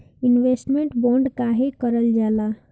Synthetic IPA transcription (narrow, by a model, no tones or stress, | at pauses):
inʋesʈmeɳʈboɳɖkaɦekəɾəld͡ʒala